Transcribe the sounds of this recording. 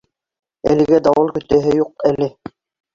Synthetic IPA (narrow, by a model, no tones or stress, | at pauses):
ælɘ̆ɡæd̪ɑwɤlˠkɵ̆t̪æɦɘjuq̚ælɘ